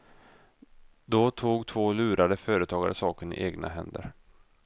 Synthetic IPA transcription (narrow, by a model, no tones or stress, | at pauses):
d̪ɔt̪ʰuːɡt̪ʰvoːlʉ̟ːɾad̪əfœːɾət̪ʰɑːɡa̰ɾəsɑːkənɪ̰ʔeːɡna̰ɦɛnd̪ə̰ɾ